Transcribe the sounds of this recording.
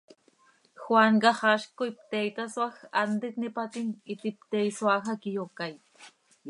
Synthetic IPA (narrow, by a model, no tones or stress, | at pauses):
xwaŋɢɑχɑʃkʊjpt̪ejt̪aswaxand̪ɪk̪nɪpat̪init̪ip̚t̪ejswaxakijokaj